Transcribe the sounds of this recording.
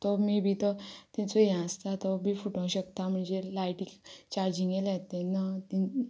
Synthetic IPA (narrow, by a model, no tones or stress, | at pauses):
t̪ɔmibʱiːt̪ɔt̪ĩnt͡sɔjãəst̪at̪ɔbʱiːfuʈə̃wɕəkt̪am̤əɳd͡zelajʈikt͡ɕaɾd͡ʑiŋɡelat̪ɛ̃nat̪i